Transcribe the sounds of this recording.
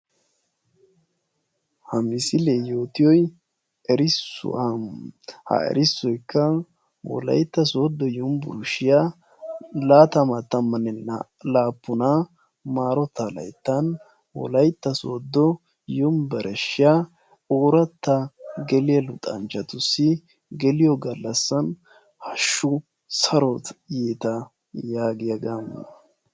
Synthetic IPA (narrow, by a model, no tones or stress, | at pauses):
hɐmɪsɪleːjo̞ːt̪ɪjɔj | ɛɾɪsːʊ̰amhɐ̰ɛ̰ɾɪsːɔjkʰːɐ | wɔ̰lɐ̰jt̪ːɐsoːd̪ːɔjɔmbʊ̰ɾʊʃɪja | laːt̪ɐmɐt̪ːɐmːɐnɛn | laːpːʊna | maːɾɔt̪ːɐlɐ̰jt̪ːɐn | wɔ̰lɐjt̪ːɐso̰ːd̪ːɔ | jʊmbɛɾʔɛʃɪja | oːɾɐt̪ːɐɡɛlɪjɐlʊt̪ʼɐ̰nt͡ʃɐt̪ʊsːɪ | ɡɛlɪjɔɡɐlːɐsːɐn | hɐʃːʊ | sɐɾɔt̪jeːt̪ɐ | jaːɡɪjɐɡamnɐ